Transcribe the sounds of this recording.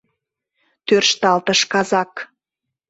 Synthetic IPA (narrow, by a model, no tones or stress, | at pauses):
t̪ørʃt̪ɑlt̪əʃkɑzɑk